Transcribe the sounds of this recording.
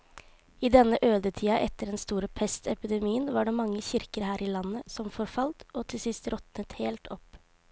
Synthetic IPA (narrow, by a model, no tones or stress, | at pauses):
ɪd̪ɛnːəʔøːd̪ət̪ʰiːɑʔɛt̪ːəɖɛnst̪uːɾəpʰɛst̪ɛpɪd̪ɛmiːənʋɑːɖeːmɑŋːəçɪɾkəɾhæːɾʔiːlɑnːəsɔmfɔɾfɑlt̪oːt̪ʰɪlsɪst̪ɾɔt̪nət̪heːlt̪ɔp